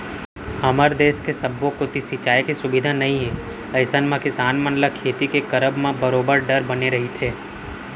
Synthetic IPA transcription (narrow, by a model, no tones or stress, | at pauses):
hɐməɾd̪eːskesɐbːõkot̪isit͡ʃaːikisʊbɪd̪ʱanɐɦĩɦɛ̃ | ɐɪsənmãkɪsaːnmənlakʰeːt̪ikekɐɾəbmẽbɐɾoːbəɾɖɐɾbɐneɾɐɦit̪ʰeː